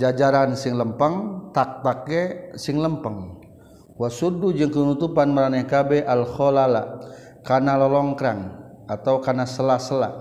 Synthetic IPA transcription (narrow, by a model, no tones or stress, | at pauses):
d͡ʒad͡ʒaɾansiŋləmpəŋt̪ak̚t̪akɛsiŋləmpəŋ | wasudud͡ʒɨŋkənut̪upanməɾanakabɛʔalhɔlala | kanalɔlɔŋkɾaŋat̪aukanasəlasəla